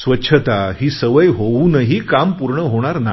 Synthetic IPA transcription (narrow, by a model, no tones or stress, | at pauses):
sʋətːɕʰət̪aɦiːsəʋəjɦounəɦiːkampuɾɳəɦoɽ̃aɾna